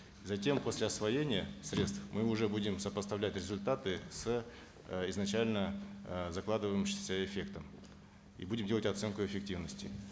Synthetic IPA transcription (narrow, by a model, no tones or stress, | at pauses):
zɐtʲe̞mpo̞sʲlʲɪɐsvɐjenʲɪjəsɾʲe̞t̪st̪fmɨʊʐɛbudʲɪmsəpəst̪ɐvlʲætʲrʲɪzʊlʲt̪at̪ɨs | ɪznɐt͡ɕælʲnəzɐklˠad̪ɨvəjɪmɕɪmsʲəɪfʲe̞kt̪əm | ḭbudʲɪmdʲlˠətʲɐt̪sɛnkʊɪfʲɪk̚tʲivnəsʲtʲɪ̰